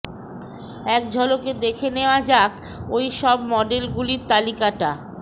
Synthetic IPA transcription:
ɛkd͡ʑʱɔloked̪ekʰeneoad͡ʑak | ojʃɔbmɔɖelɡuliɾt̪alikaʈa

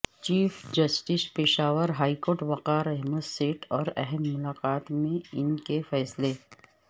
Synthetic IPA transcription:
t͡ʃiːfd͡ʒɐsʈɪspɪʃaːʋəɾɦaːikoːɾʈʋɐqaːɾɛɦməd̪seːʈʰɔːɾɛ̰ɦɛmːʊlaːqaːt̪mẽɪnkefɛːsle

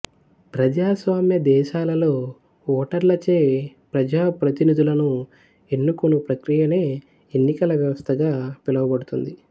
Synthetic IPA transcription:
pɾɐd͡ʒaːsʋaːmjɐd̪ɛːʃaːlɐlo̞ː | ɔːʈɐɾlɐt͡ʃe̞ːpɾɐd͡ʒaːpɾɐt̪inid̪ulɐnu | e̞nːukonupɾɐkɾijɐne̞ː | enːikɐlɐʋjɐʋɐst̪ʰɐɡaːpilɐʋɐbɐɽut̪und̪i

